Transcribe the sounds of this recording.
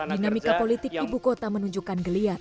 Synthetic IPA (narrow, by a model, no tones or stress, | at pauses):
dinamikapolit̪ɪk̚ibukot̪amənuɲd͡ʒukanɡəliat̪̚